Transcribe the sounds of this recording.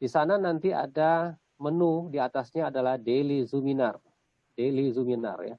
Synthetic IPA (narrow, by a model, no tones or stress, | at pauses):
d̥isananant̪ia̰da | mənudiat̪asɲaːdalahdelizuminar | delizumina̰rja̰